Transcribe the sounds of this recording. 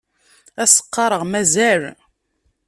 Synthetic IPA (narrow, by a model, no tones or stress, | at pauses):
æsə̥qːɑɾˤəʁmæzæl